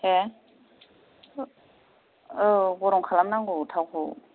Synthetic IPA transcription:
ɛ | ɣʊɾɪŋ̩q͡χʰalanaŋɡʊtʰaɣʊ

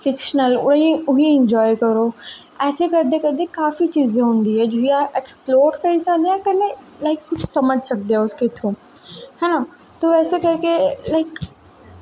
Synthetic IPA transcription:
fɪkʃnəlʊ̰ĩʊɦiɪ̃ɲd͡ʒɔːjkɐɾo | ɛːsekɐɾd̪ekɐɾd̪ekaːfit͡ʃiːzẽɦũnd̪iɦɛd͡ʒoɦiaʔeksploːɾkɐisad̪eãkɐne | laɪkːʊt͡ʃʰsɐməd͡ʒʱsɐk̚d̪eaʊsket̪ʰũː | hɛna | t̪oɛːsekɐɾkelaɪk

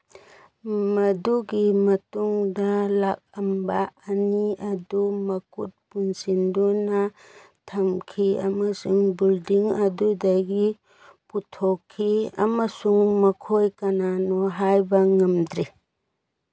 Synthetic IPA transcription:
mɐduɡimɐtuŋdɐlak̚ɐmbaːniɐdumɐkut̚punsindonɐ | tʰɐmkʰiɐ̰mɐsuŋbildiŋɐdudɐɡi | putʰokʰːiɐ̰mɐsuŋmɐkʰojkɐnanɔɦajbɐŋɐmdɾi

